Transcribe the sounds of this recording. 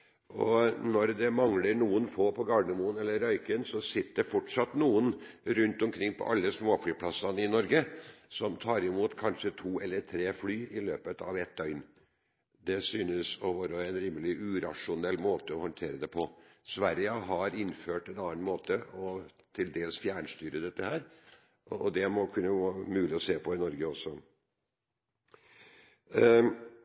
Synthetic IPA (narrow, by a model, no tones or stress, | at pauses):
ɔ̰nɔɾd̪ɛmɑŋləɳuːənfoːpʰɔɡɑːɳəmuːnɛlːəɾœʏkənsɔsɪt̪ːəd̪əfɔʈʂɑt̪ːnuːənɾʉnt̪ɔmkʰɾɪŋːpʰɔ̰ʔɑlːəsmoːflyːpʰlɑsɑnɪnɔɾɡəsɔmt̪ʰɑːɾɪmuːt̪kʰɑnʂət̪ʰuːɛlːəɾt̪ʰɾeːflyːɪlø̰ːpət̪ɑʋɛt̪ːœʏn | d̪ɛsyːnəsɔʋɑːɾəɛɪnɾiːmːəlɪʔʉɾɑʂʊnɛlːmoːt̪əɔhɔnt̪ʰeːɾəd̪ɛpʰɔsʋæɾjəɦɑɾɪnːføːʈɛnɑːnmoːt̪əɔt̪ʰɪld̪eːlsfjæːɳʂt̪yːɾəd̪ɛt̪ːəhæːɾ | ɔ̰d̪ɛmɔkʰʉnːəʋɑmʉːlɪɔseːpʰɔɪnɔɾɡəɔsɔ